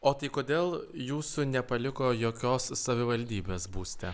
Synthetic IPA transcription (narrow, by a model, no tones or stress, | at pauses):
oːt̪ɐɪkoːd̪ʲeːlˠjuːsunʲɛpɐlʲɪkoːjoːkʲoːsːɐʋʲɪʋɐlʲd̪ʲiːbʲeːsbuːsʲt̪ʲɛ